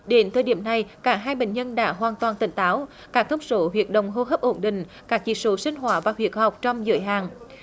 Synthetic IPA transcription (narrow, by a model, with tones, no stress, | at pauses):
ɗe˨˦nt̪ʰəː˨˩jɗi˧˩əmna˨˩jkaː˧˩ɦaː˧jɓḛ˧˨ŋ̟ɲə˧nɗa̰ː˧˥ɦwaː˨˩nt̪waː˨˩nt̪ï˧˩ŋ̟t̪aː˨˦w | kaː˦˥k̚t̪ə˧wŋ͡mso˨˦ɦwi˨˩ət̚ɗə̰˧˨wŋ͡mɦo˧ɦəː˦˥p̚ʔo˧˩nɗḭ̈˧˨ŋ̟ | kaː˦˥k̚t͡ɕḭ˧˥so˨˦sï˧ŋ̟ɦwaː˧˩vaː˨˩hwi˨˩ət̚ha˨˩wk͡p̚t͡ɕɔ˧wŋ͡mzɨ̰˧˨əjɦaː˨˩ŋ